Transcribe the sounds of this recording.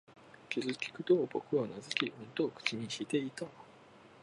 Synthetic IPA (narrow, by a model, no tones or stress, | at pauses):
kʲizɨkʲi̥kɯ̟t̪obokɯ̟onazɨkʲiʔõnt̪oːkɯ̟̥t͡ɕiɲ̟iɕit̪e̞it̪a